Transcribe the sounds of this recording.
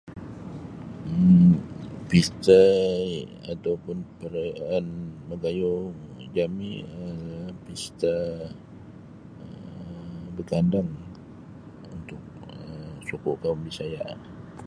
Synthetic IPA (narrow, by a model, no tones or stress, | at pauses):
pist̪a | at̪awpʊnpəɾanməɡajod͡ʒamiəpist̪a | ə | bəkandaŋ | unt̪ʊk̚əsukʊʔkaumdisajaʔ